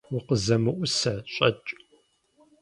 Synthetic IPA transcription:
wʊqəzɐmɨʔʷʊsɐɕʼɐt͡ʃʼ

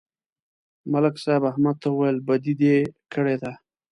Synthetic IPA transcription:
malɪksabahmad̪̚t̪ʰauwajəlbad̪id̪ekəɽed̪a

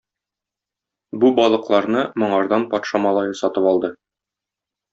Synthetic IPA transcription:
bubɒlˠɤ̆qlˠɑɾnɤmŏɴɑɾd̪ɑnpɒt̪ʃɑmɒlˠɑjɤsɒt̪ɤpɒlˠd̪ɤ

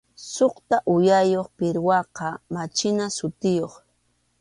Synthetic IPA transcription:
soqt̪aʔʊjajoχpɪɾwɑqɑmat͡ʃɪnasʊt̪ɪjoχ

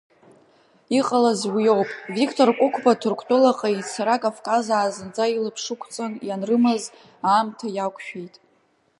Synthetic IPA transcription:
iqʼalazwijo̞wpʼvikʰtʰʼorkʷʼʊkʷʰbatʰurkʷʰtʼolaqʼait͡sʰaɾakʼavkʼazaːzɨnd͡zʼailɨpʰʂɨkʷʰt͡sʼanjanrɨmaz | aːmtʰajakʷʼʰʃᶣejtʼ

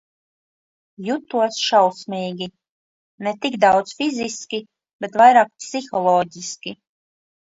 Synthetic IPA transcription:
jut̪ːuɔsʃawsmʲiːɡʲi | nɛt̪iɡd̪awd̪sfizʲiskʲi | b̥et̪vajɾaːk̚psixɔlˠɔːɟʲiskʲi

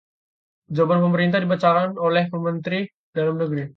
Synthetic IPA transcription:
d͡ʒobanpəməɾint̪ahdibat͡ʃaɾanolɛhpəmənt̪ɾi | dalamnəɡɾi

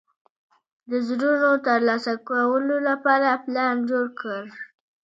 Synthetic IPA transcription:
d̪əzɾuʐot̪əɾlɑsakawəlolapɑɾaplɑnd͡ʒoɽkəɾ

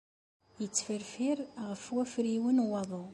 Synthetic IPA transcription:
jət͡sːfəɾfiɾʁəfwæfɾiwənwɑðˤo

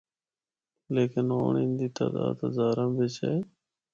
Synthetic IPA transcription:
leːkɪno̰ːɳĩːnd̪iːt̪a̰ːd̪a̰ːd̪ɦəzaːɾãːʋɪt͡ʃeː

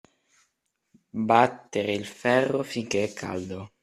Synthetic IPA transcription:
bat̪ːeɾeilfɛrːofiŋk̟eɛkʰːa̰ld̪o

